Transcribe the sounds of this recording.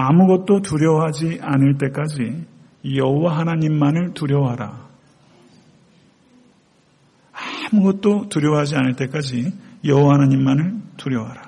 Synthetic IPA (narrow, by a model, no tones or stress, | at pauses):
amuɡʌt̚t͈otuɾjʌwɦad͡ʑianɯɭt̬͈e̞k͈ad͡ʑi | jʌɦowaɦanaɲimːanɯɭtuɾjʌwɦaɾa | amuɡʌt̚t͈otuɾjʌwɦad͡ʑianɯɭt͈e̞k͈ad͡ʑijʌɦowaɦanaɲimːanɯɭtuɾjʌwɦaɾa